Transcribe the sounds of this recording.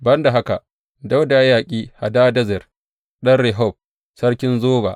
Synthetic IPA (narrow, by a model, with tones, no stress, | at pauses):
bɐ˦nda˨ɦa˦ka˨ | da˦wda˨jaː˨kʲʼiː˦ha̰˨daː˦dɐ˦zɛ˨r | ɗɐ˦nɽɛ˨ɦɔ˦˨b̚ | sɐ˦ɽkʲɪ˦nzoː˦ba̰˨